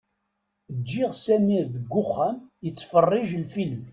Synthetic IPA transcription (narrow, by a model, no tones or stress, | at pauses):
əd͡ʒːiʁsæmiɾðəɡːʊχːæmjət͡sːfərˤːɪʒlfilm